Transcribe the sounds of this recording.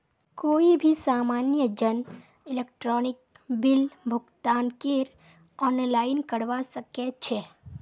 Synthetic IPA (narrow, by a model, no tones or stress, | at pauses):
koːibʱisaːmaːnjəd͡ʒən | ɪlek̚ʈɾɔːnɪk̚ | bɪlbʱʊɡt̪aːnkeɾ | ɔːnlaːɪnkəɽʋasəket͡ʃʰe